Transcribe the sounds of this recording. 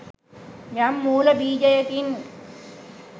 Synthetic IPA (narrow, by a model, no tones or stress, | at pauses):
jamːuːlɐbiːd͡ʒɐjɐkin